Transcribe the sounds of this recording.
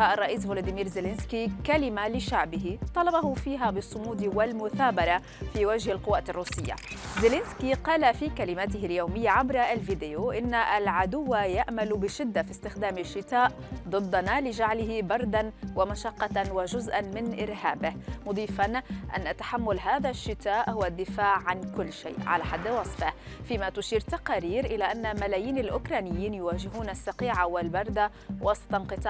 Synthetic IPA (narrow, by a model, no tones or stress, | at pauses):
aʔɑrˤːɑʔiːsvolaːd̪imiːɾzɪlɪnskikalɪmalɪʃaʕbɪɦɪt̪ˤɑlɑbɑɦʊfiːɦabɨsˤːʊmuːd̪wɪlmʊθaːbɑɾˤɑ | fiwaʒhalqʊwːaːt̪ɪrˤːuːsɪjːa̰zɪlɪnskiqɑːlafikalɪmaːt̪ɪhɪljoːmɪjːaʕabɾˤaalviːd̪ɪjoʔɪnːaʔalʕad̪ʊwːajaʔmalbɪʃɪd̪ːafist̪ɪxd̪aːmɪʃːɪt̪aːʔd̪ˤɨd̪ˤːɑnalɪʒaʕlɪhɪbɑɾˤd̪anwamaʃɑqːɑwaʒʊzʔanmɪnʔɪɾhaːbɪhmʊd̪ˤiːfanʔa̰nːat̪ḁħamːʊlɦaːðaʃːɪt̪aːʔhʊwad̪ːɪfaːʕːankʊlːʃḛːʔʕa̰laħad̪ːwɑsˤfɪh | fiːmat̪ʊʃiːɾt̪aqɑːɾiːɾʔɪlaʔanːamalaːjiːnalʔʊkɾˤɑːnɪjːiːnjʊwaːʒɪɦuːnasːɑqiːʕawɪlbɑɾˤd̪a | wʔɑsˤt̪ˤɑnqɨt̪ˤɑ